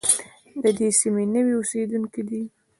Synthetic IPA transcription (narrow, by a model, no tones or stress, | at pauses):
d̪əd̪esimenəwiosed̪unkid̪i